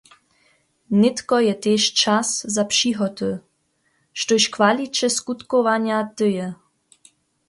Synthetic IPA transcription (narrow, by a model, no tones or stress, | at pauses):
nɪt̪kɔjɛt̪eʃt͡ʃaszapʂiɦɔt̪ə | ʃtoɕkvalit͡ɕɛskut̪kovaɲat̪ɨjɛ